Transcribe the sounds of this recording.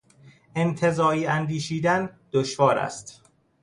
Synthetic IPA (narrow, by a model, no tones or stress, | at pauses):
ʔe̞nt̪ʰe̞zɒːiːænd̪iːʃiːd̪ænd̪̥oʃvɒːɾæ̰st̪